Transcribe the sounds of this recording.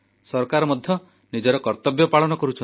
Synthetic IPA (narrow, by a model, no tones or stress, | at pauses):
sɔɾkaɾɔmɔd̪ʱjɔ | nid͡ʒɔɾɔkɔɾt̪ɔbjɔpaɭɔnɔkɔɾut͡ʃʰɔ